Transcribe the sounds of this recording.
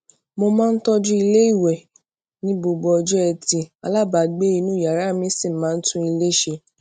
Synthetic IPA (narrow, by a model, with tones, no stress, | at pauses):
mo˧mãː˦n̩˦tɔ˦d͡ʒũ˦i˧le˦i˦˨wɛ˨ | nĩ˨˦bo˧ɡ͡bɔ˧ɔ˧d͡ʒɛ˦ɛ˧˨ti˧a̰˨la˦˨ba˨ɡ͡be˦i˧nũ˦˨ja˨ɾa˦˨mĩ˦sĩ˦˨mãː˨˦n̩˦tũ˦i˧le˦ʃe˧